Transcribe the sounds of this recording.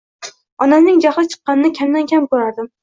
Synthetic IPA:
ɒnasnɪŋd͡ʒaχlˠɪt͡ʃʰɨ̥qːɑnɪnɪkʲʰamd̪ankʲʰamkɵɾaɾd̪ɪm

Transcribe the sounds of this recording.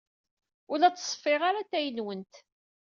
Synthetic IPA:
ʊlæt͡sːsˤfɪʁaɾat̪ːæjənwənt̪

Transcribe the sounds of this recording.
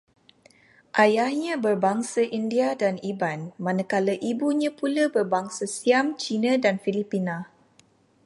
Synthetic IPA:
ʔajahɲãbərbaŋsaʔindiadanibanmãnəkaləʔibuɲãpuləbərbaŋsasiamt͡ʃinãdanfilipinã

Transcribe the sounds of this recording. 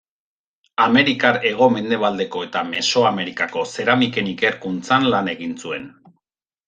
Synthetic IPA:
ame̞ɾikaɾe̞ɣ̞o̞me̞nd̪e̞β̞ald̪e̞ko̞e̞t̪ame̞so̞ame̞ɾikako̞se̞ɾamike̞nike̞ɾkunt͡sanlane̞ɣinsue̞n

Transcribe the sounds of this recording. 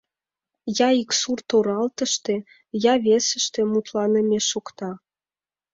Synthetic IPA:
jɑiksurt̪oɾɑlt̪ə̆ʃt̪e | jɑβʲesə̆ʃt̪ĕmut̪lɑnə̆mʲeʃokt̪ɑ

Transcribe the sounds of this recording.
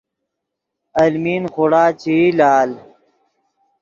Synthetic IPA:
ɐlmiːnxuɽaːt͡ɕilaːl

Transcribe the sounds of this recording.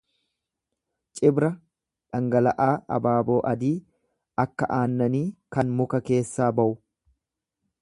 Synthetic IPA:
t͡ʃʼɪbɾɐ | ᶑɐŋɡɐlɐʔaːɐ̰baːbo̞ːʔɐd̪iː | ɐkːɐʔaːnːɐniːkɐnmʊkɐke̞ːsːaːbɐʔʊ

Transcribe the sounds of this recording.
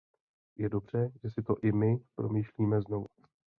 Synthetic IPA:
jɛdo̞br̝̥ɛʒ̥ɛsɪt̪o̞ʔɪmɪpɾo̞miːʃliːmɛzno̞vu

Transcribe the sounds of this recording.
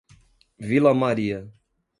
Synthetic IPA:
vilɐmaɾiɐ

